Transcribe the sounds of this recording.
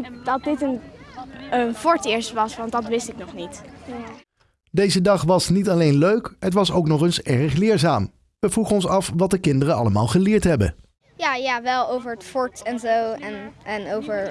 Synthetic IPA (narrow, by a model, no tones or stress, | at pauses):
dɑt̚dɪtən | ənfɔɹtɪːɹstʋɑsʋɑndɑtʋɪstɪknɔχnit | dejzədɑχʋɑsnitɑlejnløɥkɦətʋɑsowknɔχənsɛɹəχlɪːɹzaːm | ʋəvruχənɔnsɑfʋɑt̚dəkɪndərəɑləma̰ːlˠχəlɪːɹtɦɛbə̰ | jaːjaːʋɛlˠowvəɹətfɔɹtɛnzowɛnɛnowvəɹ